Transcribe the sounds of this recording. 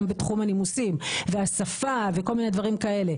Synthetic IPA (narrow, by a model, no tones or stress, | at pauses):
mbetχumhanimusimveasafaveko̞lmine̞dvaʁimkae̞le̞